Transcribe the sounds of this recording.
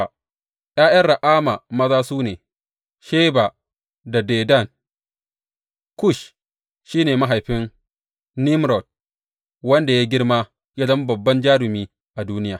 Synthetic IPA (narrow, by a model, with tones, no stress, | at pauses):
jʔaː˦j̰ɐ˦rɽa˨ʔaː˦ma˨mɐ˦zaː˦suː˦neː˨ | ʃeː˦ba˨ | da˨deː˨da˦˨n | kʊ˦˨ʃ | ʃiː˦neː˨ma˦ɦa˨jɸɪ˦ŋ | ni˦mɾɔ˨d̚ | wɐ˦nda˨ja˦ɡʲɪ˦ɽmaː˦ | ja˦zɐ˦m˦bɐ˨bːɐ˦nd͡ʒaː˦ɾɪ˨miː˦ | ʔa˨duː˦nɪ˦jaː˨